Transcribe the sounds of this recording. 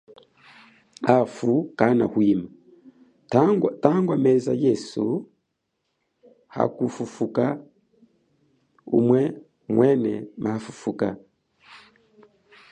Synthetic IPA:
afukana̰hwima | taŋɡwamɛzajɛsu | ha̰kufufuka | ṵmwɛ | mwʔɛnɛ̰mʔafufuka̰

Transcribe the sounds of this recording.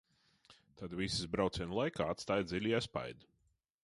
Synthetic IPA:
t̪ad̪visizbɾawt̪sʲiɛnlˠajkaːat̪st̪ajd̪zilʲiɛspa̰jd̪u

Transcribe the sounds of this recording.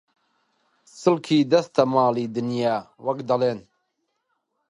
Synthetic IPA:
sɨlkʰiːd̪ɐst̪ʰɐmɑːliːd̪ɨnjaːwɐkd̪ɐleːn

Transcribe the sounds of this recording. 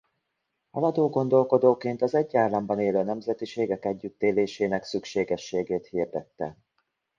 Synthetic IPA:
ɒ̰lɒd̪oːɡo̞nd̪o̞lko̞d̪oːkeːnt̪ɒzɛɟːaːrlɒmbɒneːløːnɛmzɛt̪iʃeːɡɛkɛɟːyt̪ːeːleːʃeːnɛksykʃeːɡɛʃːeːɡeːt̪hird̪ɛt̪ːɛ̰

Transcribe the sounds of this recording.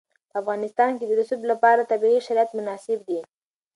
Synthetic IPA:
pəafɣɑnɪst̪ɑnked̪əɾʊsublapɑɾat̪abiɣiʃaɾijat̪mʊnɑsɪb̚d̪i

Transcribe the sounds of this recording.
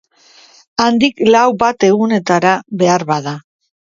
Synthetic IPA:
and̪iklawbat̪e̞ɣune̞t̪aɾaβe̞aɾβaða

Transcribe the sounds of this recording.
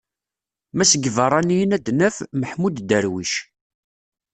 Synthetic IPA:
mæsəɡəvərˤɑnijənæd̪nəfməħmud̪d̪əɾwiʃ

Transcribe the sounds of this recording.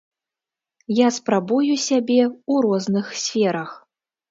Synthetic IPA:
jaspɾabujusʲabʲɛuɾɔznɨxsʲfʲɛɾɐx

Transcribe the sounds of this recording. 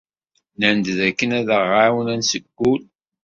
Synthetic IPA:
nænd̪ðækːənæðəʁawənænsəɡːul

